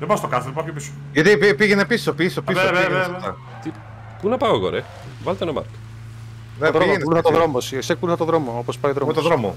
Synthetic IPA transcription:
ðebɐst̪okɐset̪pɐopiso̥ | ʝɐt̪ipipiʝenepii̥sopisopisoɐ̰ | t̪i | punɐpɐoɣo̰ɾe | vɐlt̪enɐmɐ̰ɾk | neðɾonuluθɐt̪oðɾomosieksekuluθɐt̪oðɾo̞moopospɐjoðɾomt̪ðɾomo̰

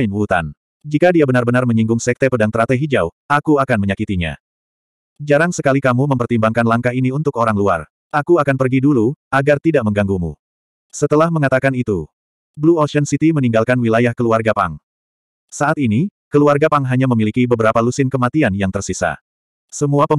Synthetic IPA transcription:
mwut̪a̰n | d͡ʒikadiabənarbənarməɲiŋɡʊŋsɛk̚t̪ɛpədaŋt̪əɾat̪ɛɦid͡ʒawʔakuakanməɲakit̪iɲa̰ | d͡ʒaɾaŋsəkalikamuməmpərt̪imbaŋkanlaŋkaɦiniunt̪ʊkoɾaŋlua̰r | ʔakuakanpərɡiduluaɡart̪idaʔməŋɡaŋɡumṵ | sət̪əlahməŋat̪akanit̪u | bluɔlʃɛnsit̪iməniŋɡalkanwilajahkəluarɡapa̰ŋ | saʔat̪̚inikəluarɡapaŋɦaɲaməmilikibəbəɾapalusɪnkəmat̪ianjaŋt̪ərsisa̰ | səmuapə

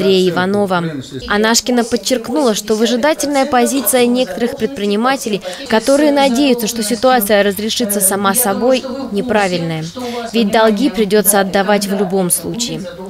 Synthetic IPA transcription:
ɾʲejəɪvɐno̞vəɐnaʂkʲɪnəpət͡ɕːɪrknulˠəʂt̪o̞vəʐɨd̪atʲɪlʲnəjəpɐzʲit̪sɨjənʲe̞kə̥t̪əɾɨxpɾʲɪt̪̚pɾʲɪnʲɪmatʲɪlʲɪjkɐt̪o̞ɾɨjənɐdʲejʊt̪səʂt̪o̞sʲɪt̪ʊat̪sɨjəɾəzɾʲɪʂɨt̪sːəsɐmasɐbo̞jnʲɪpɾavʲɪlʲnəjəvʲɪt̚ʲd̪ɐlˠɡʲipɾʲɪdʲo̞t̪səɐd̪ːɐvatʲvlʲʊbo̞mslˠut͡ɕɪː

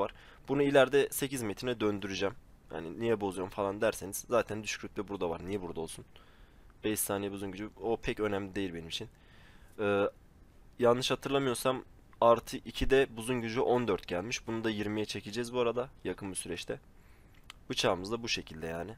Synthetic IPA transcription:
vaɾ̥ | bunuilʲæɾd̪ɛse̞cizmet̪ʰɾinɛd̪ø̞nd̪yɾyd͡ʒɛmha̰ninijɛbo̞zujomfalˠand̪æɾseniz̥zaːt̪ʰænd̪yʃcʰɾyt̪vɛbuɾd̪avaɾnijɛbuɾd̪aolˠsun | bɛjist̪ʰːaːnijɛbuzunɟyd͡ʒyo̞pʰɛcø̞næmlʲid̪e̞jilʲbe̞nimit͡ʃʰin | ɯː | jannːɯʃhat̪ʰɯɾlˠamɯjo̞ɾsam | aɾt̪ʰɯʔicʰid̪ɛbuzunɟyd͡ʒyʔo̞nd̪øɾt̪ɟælʲmiʃbunud̪ajiɾmijɛt͡ʃʰe̞cʰid͡ʒɛzbuaɾad̪ajakʰɯnbusyɾɛt͡ʃt̪ʰɛ | but͡ʃʰaːmɯzd̪abuʃe̞cʰilʲd̪ɛja̰ːnɪ

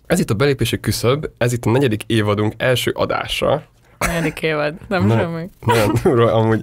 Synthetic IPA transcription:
ɛzit̪ːɒbɛleːpeːʃɛkːysøbːɛzit̪ːɒnɛɟɛd̪ikeːvɒd̪uŋkɛlʃø̰ːʔɒ̰d̪a̰ːʃrɒ̰ | nɛɛd̪ikeːvɒd̪nɛmʃɛmːynɔonumɾolʔɒmuːɟ

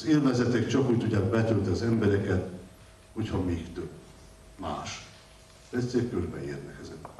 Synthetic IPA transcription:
zilvɛzɛt̪ɛkt͡ʃɒkuːc̚t̪uɟaːkbɛt̪ølt̪ɛɒzɛmbɛɾɛkɛt̪ | ho̞chɒmiːkt̪øb | ma̰ːʃ | d̪ɛtseːrkørbɛ̰iːrnɛkɛzɛn

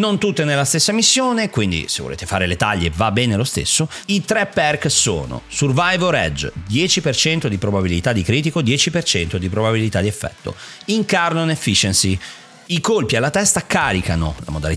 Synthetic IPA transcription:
nont̪ut̪ːenelːast̪esːamisːjoːnekwind̪ḭsevo̰lḛːt̪efaːɾelet̪aʎːevabːɛːnelost̪ḛsːoit̪ɾɛpːɛrkso̰ːno̰survajvoɾɛ̰d͡ʒd̪jɛːt͡ʃipert͡ʃɛnt̪od̪ipɾobabilit̪ad̪ːikɾiːt̪̬ikod̪jɛːt͡ʃipert͡ʃɛnt̪od̪ipɾobabilit̪ad̪iɛfːɛ̰t̪ːo̰ | iŋkarnonefːit͡ʃensi | ikolpialːat̪ɛst̪akaːɾikano̰la̰mod̪ali

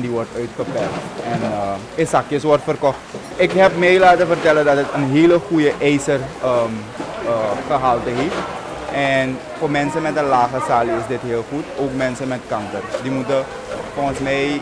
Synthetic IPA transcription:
ndiʋɔrtœɥtxəpɛrtɛnə | əsakjəsʋɔrtfərkɔxt | ɪkɦɛpmejlaːtəfərtɛlədɑtətənɦeːləxujəʔɛjsərəm | əxəɦaːlˠtəɦi | ɛn | fomɛnsəmɛtəlaːxəsaːliɪsdɪtɦeːlˠxutoːkmɛnsəmɛtkɑŋkərdimutə | foːxənsmɛj

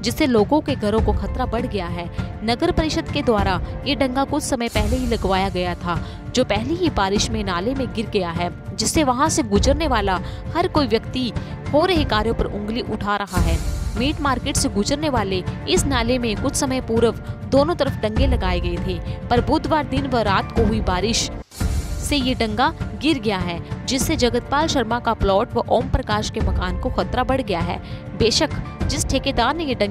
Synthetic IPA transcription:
d͡ʒɪsːeloːɡõkeɡʱɐɾõkoxʰɐt̪ɾabɐɽ̤ɡɐjaɦɛːnɐɡəɾpɐɾɪʃəd̪ked̪waːɾajeɖɐ̃ŋɡakʊt͡ʃʰsɐməjpɛɦleɦilɐɡʋaːjaɡɐjat̪ʰaː | d͡ʒoːpɛɦliɦibaːɾɪʃmẽnaːlemẽɡɪɾɡɐjaɦɛː | d͡ʒɪsːeʋɐɦãseɡʊd͡ʒəɾneʋaːlahɐɾkoːiʋjɐkt̪ihoːɾɐɦɪkaːɾjõpɐɾʔʊ̃ŋɡliʔʊʈʰaɾɐɦaɦɛːmiːʈmaːɾkeːʈseɡʊd͡ʒəɾneʋaːleɪsnaːlemẽkʊt͡ʃʰsɐməjpuːɾəʋd̪oːnõt̪ɐɾəfɖɐ̃ŋɡelɐɡaːeɡɐet̪ʰeːpɐɾbuːd̪ʋaːɾd̪ɪnʋɐɾaːt̪koɦʊibaːɾɪʃ | sejeɖɐ̃ŋɡaɡɪɾɡɐjaɦɛːd͡ʒɪsːed͡ʒɐɡət̪̚paːlʃɐɾmakaplɔːʈʋɐʔɔːmpɾɐkaːʃkemɐkaːnkoxɐt̪ɾabɐɽɡɐjaɦɛ̰ː | beːʃəkd͡ʒɪsʈʰeːked̪aːɾnejeɖɐ̃

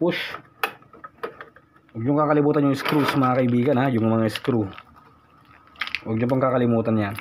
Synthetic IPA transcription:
puʃ | wɔk̚d͡ʒʊŋkakalibut̪anoŋiskɾusmaakaibiɡanad͡ʒʊŋmaŋaiskɾu | ʔɔk̚d͡ʒupɔŋkakalimut̪anɲa

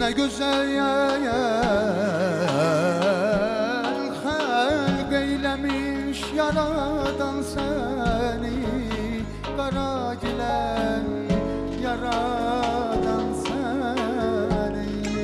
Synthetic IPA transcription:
næɡøzæljæjæ | l | xæ | bejlæmi | ʃjɑɾɑd̪ɑnsæ | ni | bæɾɑ | ɟilæni | jɑɾɑ | d̪ɑnsæ | nij

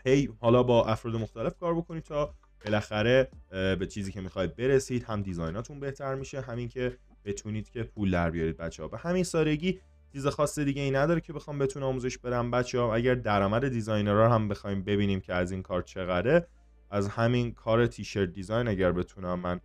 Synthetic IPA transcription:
hejhɒːlɒːbɒːʔæfɾɒːd̪e̞moxt̪æle̞fkʰɒːɾbo̞kʰo̞ni̥t̪ʰɒː | b̥e̞læxæɾe̞bet͡ʃʰiːziːcʰe̞miːxɒːid̪̚be̞ɾesiːd̪̥hæmd̪izɒjnɒːt̪ʰunbe̞ht̪ʰæɾmiʃe̞ɦæmiːŋcʰe̞ | b̥e̞t̪ʰuniːd̪̥cʲʰe̞pʰuːld̪æɾbijɒːɾiːd̪̚bæt̪t͡ʃʰːeɒ̰ːbehæminsɒːd̪e̞ɟiː | t͡ʃʰiːzexɒːsːed̪iːɟe̞iːnæd̪ɒːɾecʰe̞be̞xɒːmbe̞t̪ʰunɒːmuze̞ʃb̥e̞d̪æmbæt̪t͡ʃʰehɒæɟæɾd̪æɾɒːmæd̪e̞d̪izɒːjneɾɒːɦæmbexɒimbe̞biːniːmcʰe̞æziːnkʰɒːɾt͡ʃʰe̞ɣæɾe̞ | æzhæminkʰɒːɾet̪ʰiːʃe̞ɾd̪ːizɒːjnæɟæɾbe̞t̪ʰunæmːæn

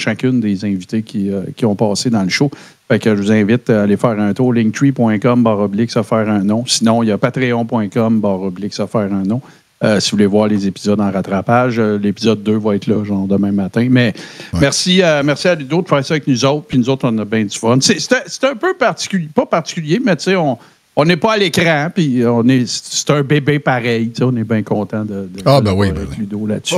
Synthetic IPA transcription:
ʃakʲʏnd̪ezɛ̃vit̪ekʲiəkʲiɔ̃pɑːsed̪ɑ̃ləʃo | fɛkəʒəvuzɛ̃vɪt̪alefɛːʁɛ̃ːt̪uːʁlɪ̃ŋt̪wipwɛ̃kɔmbɑːʁɔblɪksafɛːʁɛ̃nɔ̃sinɔ̃japat̪ʁeɔ̃pwɛ̃kɔmbɑːʁɔblɪksafɛːʁɛ̃nɔ̃ | əsivulevwɑːʁlezepizɔd̪ɑ̃ʁat̪ʁapaʒəlepizɔd̪̚ːøvɔɛːt̪lɔʒɑ̃ːʁd̪əmɛ̃mːat̪ɛ̃mɛmɛʁsiəmɛʁsialyd̪od̪əfɛːʁsʌaːvɛk̚nuzoʊt̪̚χpinuzowt̪χɔ̃nʌbɛ̃d̪zyfɔnsese̥t̪ɛse̥t̪œ̃ːpøpaʁtt͡si̥kʲylpʌpaʁt̪t͡si̥kʲyljemɛt͡seɔ̃ | ɔ̃nepɔalekʁɑ̃piɔ̃nesse̥t̪ɛ̃bebepaʁɛjt͡sɪɔ̃nebɛ̃kɔ̃ːt̪ãd̪əd̪əlwiʁɛklyd̪ola̰t̪sy

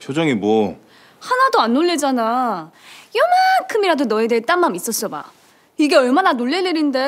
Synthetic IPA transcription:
t͡ɕʰod͡ʑʌŋimwʌ | hanadoanːoɭːed͡ʑana | jʌmakʰɯmiɾadonʌedeet͈anmːamis͈ʌs͈ʌba̰ | iɡe̞ʌɭmananoɭːe̞leɾinde̞

